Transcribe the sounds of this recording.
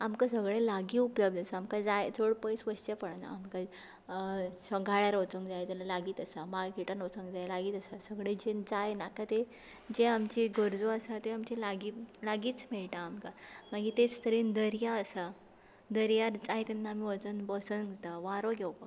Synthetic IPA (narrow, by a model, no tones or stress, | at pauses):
amkasəɡɭelaɡiupləb̚d̪əsaːmkad͡zajd͡zoɽpəjsʋəst͡ɕapəɽana̰ːmka | səɡʱaɭjaɾot͡səŋɡd͡zajt̪alalaɡiːt̪əsamaɡkiʈanot͡səŋɡd͡zajlaɡiːt̪əsasəɡɭed͡ʑed͡zajnakat̪e | d͡ʑeamt͡ɕiɡəɾd͡zoəsat̪eamt͡ɕilaɡiːlaɡiːt͡smɛɭʈaːmkamaɡit̪et͡st̪ʰəɾiːnd̪əɾjaəsa | d̪əɾjaɾt͡saɦit̪ɛnːaamiʋət͡sənbəsənt̪aʋaɾoɡɛwpa